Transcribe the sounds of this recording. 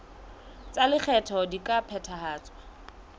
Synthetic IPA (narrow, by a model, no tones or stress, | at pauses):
t͡salɪk͡xʰɛtʰɔdikʼapʰɛtʰahaːt͡sʼwa